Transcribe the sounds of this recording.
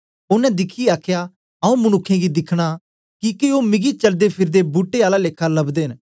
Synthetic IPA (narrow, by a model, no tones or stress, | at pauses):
ʊnɛ̃d̪ɪkʰiaːkʰja | ɐũmʊñʊkʰːẽɡid̪ɪkʰɽ̃a | kikeoːmɪɡit͡ʃɐld̪epʰɪɾd̪ebuʈːeaːlaleːkʰalɐbd̪ẽːn